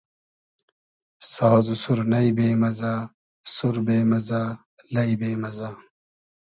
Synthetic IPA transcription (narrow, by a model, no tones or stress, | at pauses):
saːzusuɾnɐibeːmɐzaː | suɾbeːmɐzaː | lɐibeːmɐzaː